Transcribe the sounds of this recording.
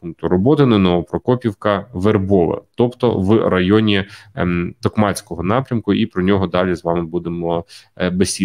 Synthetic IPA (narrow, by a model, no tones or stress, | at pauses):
uŋkt̪ʊɾɔbɔt̪ɪnɛnɔʋɔpɾɔkɔpʲiwkɐʋerbɔʋɐ̰t̪ɔpt̪ɔ̰ʋrɐjɔnʲi | t̪ɔkmɑt͡sʲkɔɦɔnɑpɾʲɐmkʊipɾɔnʲɔɦɔd̪ɑlʲizʋɑmɪbud̪emɔbesʲi